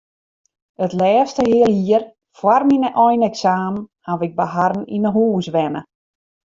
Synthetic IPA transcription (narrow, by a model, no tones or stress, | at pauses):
ətlɛːstəhɪəlˠhiər | fwarminəʔɔjnɛksaːmhaʋɪɡ̚baɦarn̩inəɦuːsʋɛnə